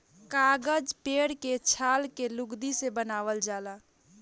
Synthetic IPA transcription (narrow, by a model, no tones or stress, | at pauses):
kaɡəd͡ʒpeɽket͡ʃʰalkeluɡd̪isebənaʋəld͡ʒala